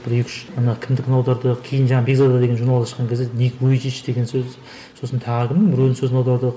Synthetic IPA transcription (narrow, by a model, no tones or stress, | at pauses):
b̥ɪɾikʰʲɪ̥ʃɑnɑkʲʰɪmd̪ɪkʰʲɪnɑwd̪ɑɾd̪əkʲʰejɪnʒɑɴɑbeɡzad̪d̪ɑd̪eɡeʒuɾnɑlˠɑsʃə̥qːɑŋkʰʲezenekʰʲɪwɵjd͡ʒiʃd̪e̞ɡʲensɵz | so̞sənt̪ʰɑʁəkʲɪmnɪŋbɪɾɵlnsɵzɪnɑwd̪ɑɾd̪ə